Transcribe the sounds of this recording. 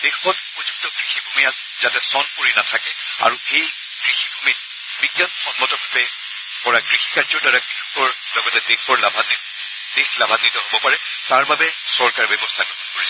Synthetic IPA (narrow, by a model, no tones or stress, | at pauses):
d̥exɔtupɔzuk̚tɔɡɹixibʱumijat | zatɛsɔnpoɹinatʰakɛ | a̰ɹuxej | ɡ̥ɹixibʱumit̚ | biɡjɔnxɔnmɔtɔabɛ | kɔɹaɡɹixikaɹzɔɹdaɹakitukːɔɹ | lɔɡɔtɛdexɔɹlabʱani | nixlabʱanːitɔɦobɔpaɹɛ | taɹbabɛ | sɔɹkaɹbɛbɔstʰanɔbɔpoɹisɔ